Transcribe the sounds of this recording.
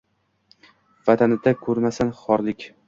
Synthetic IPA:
vat̪ʰanɪd̪akʰɵɾmasanχɒɾlɪkʲ

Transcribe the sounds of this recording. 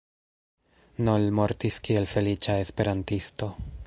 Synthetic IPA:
nolmo̞ɾtiskie̞lfe̞lit͡ʃae̞spe̞ɾantisto̞

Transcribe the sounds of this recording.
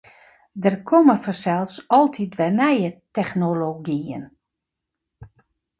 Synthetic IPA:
dərkʰoməfɔrsɛlˠsɔlˠtʰitʋɛnɛjətɛxnoloɡiə̰n

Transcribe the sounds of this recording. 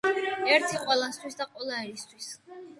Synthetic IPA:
ɛɾt̪ʰiqʼwɛlˠast̪ʰwisd̪aqʼwɛlˠaɛɾist̪ʰwis

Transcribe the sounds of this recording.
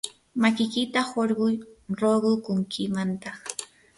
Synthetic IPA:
makɪkɪt̪ahoɾɢʊjɾoɢʊkʊŋkʰɪmant̪ɑχ

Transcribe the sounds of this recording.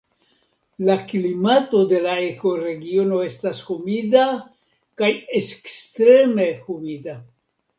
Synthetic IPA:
laklimato̞de̞laeko̞ɾe̞ɡio̞no̞e̞stashumida | kajeskstɾe̞me̞humida

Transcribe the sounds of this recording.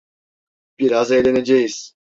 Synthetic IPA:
b̥iɾazejlened͡ʒɛjiz̥

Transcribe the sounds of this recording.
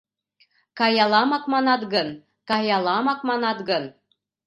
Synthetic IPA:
kɑjɑlˠɑmɑkmɑnɑt̪ɡɤn | kɑjɑlˠɑmɑkmɑnɑt̪ɡɤn

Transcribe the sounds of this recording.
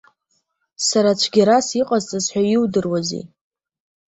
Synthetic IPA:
saɾat͡ʃʷʰɡʲaɾasiqʼazt͡sʼazħʷᶣajɪwdɨrwazḭ

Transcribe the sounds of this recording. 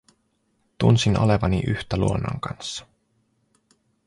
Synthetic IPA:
t̪unsinʔo̰le̞ʋɑniʔyht̪ælṵonːo̰ŋkɑnsːɑ̥

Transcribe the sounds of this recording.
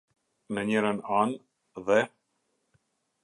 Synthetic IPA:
nəɲɛɾənan | ðɛ

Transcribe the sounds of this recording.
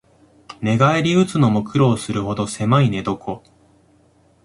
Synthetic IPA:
ne̞ɡaeɾʲiɯ̟t͡sɨno̞mo̞kɯ̟ɾo̞ːsɨɾɯ̟ho̞d̪o̞se̞maine̞d̪o̞kʰo̞

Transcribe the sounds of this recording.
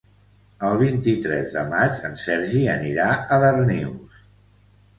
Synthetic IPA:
əlˠβ̞int̪it̪ɾɛ̰zðə̰mat͡ʃənsɛɾʒiəniɾaəðərniws

